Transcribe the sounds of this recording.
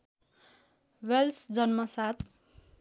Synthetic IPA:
welsd͡zʌnmʌsat̪ʰ

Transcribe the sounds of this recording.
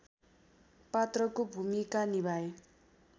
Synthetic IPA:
pat̪rʌkobʱumikanibʱaj

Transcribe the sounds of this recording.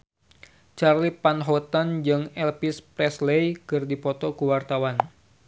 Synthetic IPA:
t͡ʃarlipanɦɔt̪and͡ʒɨŋɛlpispɾɛslejkɨrdipɔt̪ɔkəwart̪awan

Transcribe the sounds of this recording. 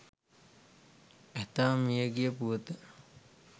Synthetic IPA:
æt̪amijəɡijəpuʋət̪ə

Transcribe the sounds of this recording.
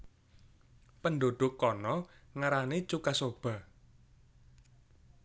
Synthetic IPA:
pənɖoɖ̪̥ʊ̤kːɔnɔŋaɾanet͡ʃukasob̥ä̤

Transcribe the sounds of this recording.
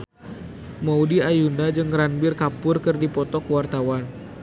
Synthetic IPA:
maudiajundad͡ʒɨŋɾanbɪrkapʊrkɨrdipɔt̪ɔkwart̪awan

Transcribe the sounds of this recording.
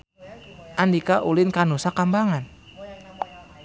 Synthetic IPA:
ʔandikaʔulɪnkanusakambaŋan

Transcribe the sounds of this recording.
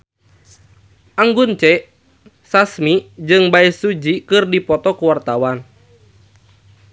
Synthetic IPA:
ʔaŋɡunt͡ʃɛ | sasmid͡ʒɨŋbaisud͡ʒikɨrdipɔt̪ɔkuwart̪awan

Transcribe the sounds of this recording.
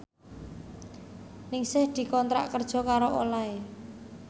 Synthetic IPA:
nɪŋsɪhd̪̥i̤kɔnt̪ɾa̰ʔkərd̥ʒ̥ɔ̤kaɾoʔo̰lae

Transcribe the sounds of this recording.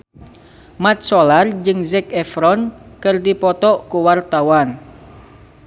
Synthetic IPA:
mat̪̚sɔlard͡ʒɨŋzɛk̚ɛfɾɔnkɨrdipɔt̪ɔʔkuwart̪awan

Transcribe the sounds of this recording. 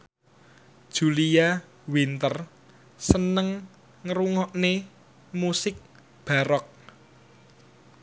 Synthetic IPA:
d̥ʒ̥ṳlia | wint̪ər | sənəŋ | ŋəɾuŋɔʔne | musɪk̚ | b̥a̤ɾɔk̚

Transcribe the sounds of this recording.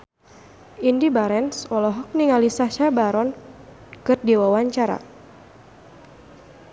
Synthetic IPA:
indibaɾɛnsɔlɔɦɔk̚niŋalisaʃabaɾɔn | kɨrdiwawaɲt͡ʃaɾa̰

